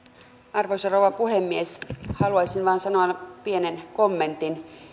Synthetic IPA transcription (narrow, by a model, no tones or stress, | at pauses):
ɑrʋojsɑrowʋɑpuhemːieshɑluɑjsinʋɑːnsɑnoɑpienenkomːe̞nt̪in